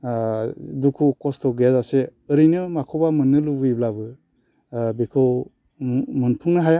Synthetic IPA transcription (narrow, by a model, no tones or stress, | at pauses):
dukʰukɔstʰɔɡezaseɯɾinɯmakʰɔbamɯnːɯlubɯjblabɯ | bekʰɯw | mɯnpʰuŋnaɦaja